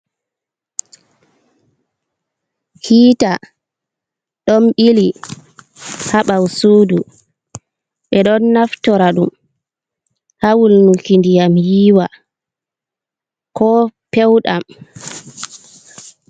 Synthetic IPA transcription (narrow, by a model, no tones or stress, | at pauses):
hiːta | ɗɔnɓili | haɓawsuːdu | ɓɛɗɔnːaftɔɾaɗum | hawulnukindijamjiːwa | kɔpɛwɗa̰m